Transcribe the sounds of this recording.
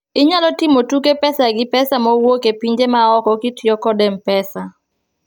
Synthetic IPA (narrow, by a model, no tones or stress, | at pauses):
ɪɲalɔtɪmotukepɛsaɡɪpɛsamɔwokepiɲd͡ʒemaɔkɔkɪtjɔkɔdɛmpɛsa